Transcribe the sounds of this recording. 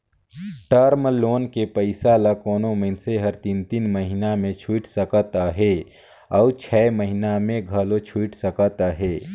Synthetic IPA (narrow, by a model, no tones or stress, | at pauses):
ʈəɾmloːnkepəɪsalakoːnoməɪnseɦəɾt̪int̪iːnməɦɪnamẽt͡ʃʰuːʈsəkət̪aɦe | ɔʊt͡ʃʰɛːməɦɪnamẽɡʱəlot͡ʃʰuːʈsəkət̪aɦeː